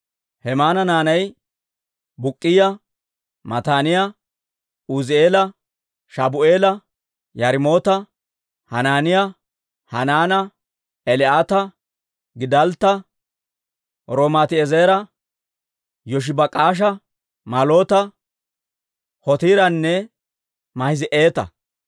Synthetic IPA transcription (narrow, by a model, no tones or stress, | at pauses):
hɛmaːnɐnaːnɐj | bʊkʼːɪjɐ | mɐt̪aːnɪjɐ | uzɪe̞ːlɐ | ʃɐbʊeːlɐ | jɐɾɪmo̞ːt̪ɐ | hɐnaːnɪjɐ | hɐnaːnɐ | ɛlɪaːt̪ɐ | ɡɪd̪ɐlt̪ːɐ | ɾoːmat̪ɪɛzeːɾɐ | jɔʃ̬ɪbɐkʼaːʃ̬ɐ | mɐlo̞ːt̪ɐ | hɔt̪iːɾɐnːɛ | mɐhɪzɪʔe̞ːt̪ɐ̰